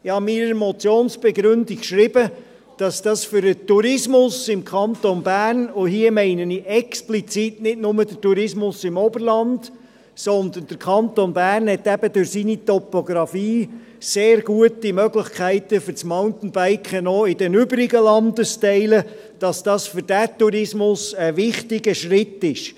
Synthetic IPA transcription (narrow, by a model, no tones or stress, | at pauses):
ɪhɑmiɾəmɔt͡sjoːnsb̥ɛɡɾʏndikʃɾɪb̥ə | d̥ɑsd̥ɑsfʏɾətːuɾɪsmʊsɪmkʰɑnt̪onbæːrnoɦiəmɛɪnəniʔɛksplit͡sitnɪtnʊməd̥ətuɾɪsmʊsɪmɔbəɾlɑnd | sɔnd̪ənd̥əɾkʰɑnt̪onbæːrnhɛt̪æb̥ədʊɾsinit̪ɔpoɡɾɑfiː | seːɾɡ̥uətimœɡlɪχkʰæɪt̪əfʏɾt͡smaʊnt̪n̩b̥æɪkχənɔɪd̥ɛnʏbəɾɪɡəlɑnd̪əstɛɪlə | d̥ɑsd̥ɑsfʏɾd̥ætuɾɪsmʊsəʋɪχtɪɡəʃɾɪtːɪʃ